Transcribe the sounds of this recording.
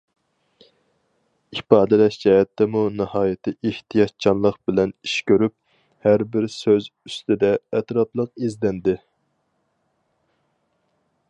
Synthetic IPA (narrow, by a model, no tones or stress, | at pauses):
ipɑːd̪ɛlɛʃd͡ʒɛɦɛt̪ːɛmunɨhɑːjɪt̪ʰɨʔeht̪ʰijɑt̪̚t͡ʃʰɑnlˠəqbɪlɛniʃkʲøɾyp̚ | hæɾbɪɾsøzyst̪ɪd̪ɛɛt̪ɾɑplˠəqizd̪ɛnd̪ɪ